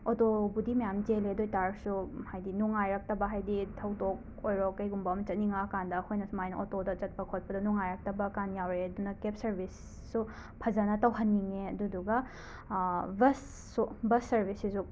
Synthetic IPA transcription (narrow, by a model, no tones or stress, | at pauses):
otobudimɐjamd͡ʒeleɐdojtaɾsuhajdinuŋajɾɐk̚tɐbɐɦajditʰɐwdok̚ | ojɾɔkːɐjɡumbɐmɐt͡ʃɐt̚niŋakandɐkʰojnɐsumajnɐʔotodɐt͡ʃɐt̚pɐkʰot̚pɐdɐnuŋajɾɐk̚tɐbɐkanjawɾeɐdunɐkep̚sɐɾbʱisː | u | pʰɐzɐnɐtɐwɦɐnːiŋeɐduduɡɐ | bɐsː | ubɐsːɐɾbʱisizu